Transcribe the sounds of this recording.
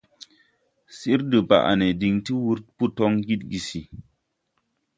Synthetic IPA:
si˦ɾdɨ˨ba̰˨ʔa̰˨ne˨di˨ŋti˦wu˦ɾpu˦tɔ˦ŋɡi˦t̚ɡi˨si˨

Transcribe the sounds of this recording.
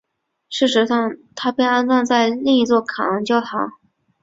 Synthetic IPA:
ʂɻ̩˥˩ʂɻ̩˧˥ʂɑ˥˩ŋt̪ʰa˥pe˥˧ɪa˥nt͡sɑ˥˧nt͡sa˥˧ɪli˥˧ŋi˧˥t͡swɔ˥˩kʰaɑ˨˩ɑ˧˥ŋt͡ɕjɑ˥ʊt̪ʰɑ˧˥˦ŋ

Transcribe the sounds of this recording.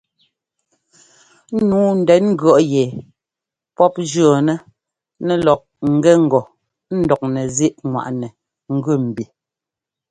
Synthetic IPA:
nuː˨˦n̩˨dɛ˨˦nŋ̩˦ɡɥɔ˦˨ʔjɛ˨ | pɔ˦p̚d͡ʒɰɔ˨nɛ˦ | nɛ˦˨lɔ˨k̚ŋ̩˨ɡɛ˦ŋ̩˨ɡɔ˨ | n̩˦dɔ˨k̚nɛ˨zi˦ʔŋwa̰˨ʔnɛ˨ | ŋ̩˦ɡʉ˦˨m̩˨bi˨

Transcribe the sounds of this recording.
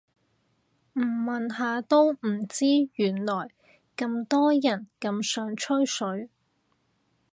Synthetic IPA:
m̩˨˩mɐ˨nɦaː˨˧t̪o˥wm̩˨˩t͡siː˥ɥyː˨˩nlɔː˨˩j | kɐ˧mt̪ɔː˥jɐ˨˩nkɐ˧msœː˨˧ŋt͡ʃʰɵ˥ɥsɵ˨˥ɥ

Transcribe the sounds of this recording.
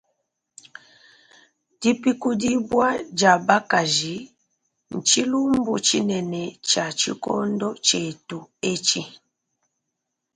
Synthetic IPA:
d̥i˦pi˦ku˦di˦bwa˦d͡ʒa˨ba˦ka˨ʒi˨˦ | n̩˨t͡ʃi˦lu˦m˦bu˨t͡ʃi˦nɛ˨nɛ˨t͡ʃa˨t͡ʃḭ˦kɔ̰˦ndɔ˦t͡ʃe˨tu˨e˦t͡ʃi˦

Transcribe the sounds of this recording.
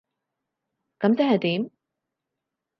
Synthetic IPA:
kɐ˨˥mt͡sɛː˨˥hɐ˨jt̪iː˨˥m

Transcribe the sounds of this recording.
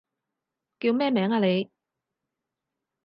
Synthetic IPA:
kiː˧wmɛː˥mɛː˨˥ŋaː˧le˨˧j

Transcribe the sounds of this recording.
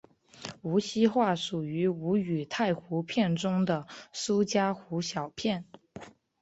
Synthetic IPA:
u˧˥ɕi˥xwa˥˩ʂu˨˩y˧˥u˧˥y˨˩t̪ʰa˥˩ɪxu˧˥pʰjɛ˥˩nʈ͡ʂʊ˥ŋd̪ə˨su˥t͡ɕja˥xu˧˥ɕjɑ˨˩ʊpʰjɛ˥˩n

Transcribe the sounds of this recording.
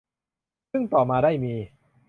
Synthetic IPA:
sɯ˥˩ŋt̪ɔː˨˩maː˧daː˥˩jmiː˧

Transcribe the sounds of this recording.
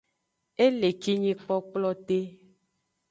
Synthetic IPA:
e˦le˨ki˦ɲĩ˦k͡pɔ˦k͡plɔ˦t̪e˦

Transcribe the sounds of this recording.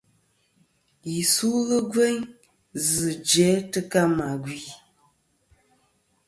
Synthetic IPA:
ji˨su˦ɣə˦ɡwɛ˦ɲ | zɨ˨d͡ʒɛ˨˦tɨ˦ka˦ma˨ɡwi˨

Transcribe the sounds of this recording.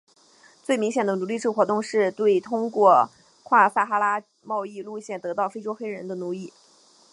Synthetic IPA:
t͡swe˥˩ɪmi˧˥ŋɕjɛ˨˩nd̪ə˦nu˧˥li˥˧ʈ͡ʂʰɻ̩˥˩xwɔ˧˥t̪ʊ˥˧ŋʂɻ̩˥˧t̪we˥˩ɪt̪ʰʊ˥ŋkwɔ˥˧ | kʰwa˥˩sa˥˩xa˥la˥ | mɑ˥˧ʊi˥˧lu˥˧ɕjɛ˥˩nt̪ɤ˧˥t̪ɑ˥˩ʊfe˥ɪʈ͡ʂo˥ʊxe˥ɪɻə˧˥nd̪ə˧nu˧˥li˥˩

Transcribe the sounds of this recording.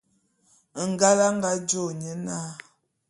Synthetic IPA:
ŋ˨ɡa˦la˦ŋ˦ɡa˦d͡ʒo˦˨ɲə˦na˦

